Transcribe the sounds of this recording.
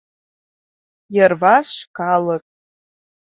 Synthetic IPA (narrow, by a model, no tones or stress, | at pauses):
jarvaʃkaləkʼ